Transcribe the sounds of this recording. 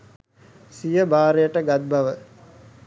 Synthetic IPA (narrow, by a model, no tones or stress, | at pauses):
sijəbaːɾejəʈəɡat̪̚baʋə